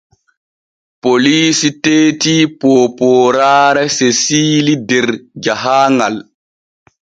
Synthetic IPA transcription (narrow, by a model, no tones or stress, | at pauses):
poliːsiteːtiːpɔːpɔːɾaːɾasesiːlidɛɾd͡ʒaɦaːŋal